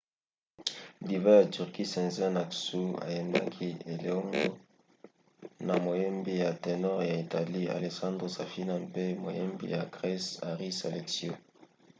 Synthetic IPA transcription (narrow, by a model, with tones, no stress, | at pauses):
di˨va˦ja˨ty˨ʁki˦sɛ̃˨nzɛ˦na˨ksu˦a̰˨je˨nda̰˦kʰi˦e˨lɔ˦ŋɡo˦ | na˨mo˨je˦mbi˦ja˨te˨nɔ˦ʁja˨i˨ta˨li˦a̰˨le˨sã˦ndʁo˨sa˨fi˦na˦pe˦mo˨jḛ˦mbḭ˦ja˨ɡʁɛ˦sa˨ʁi˦sa̰˨le˨ksjo˦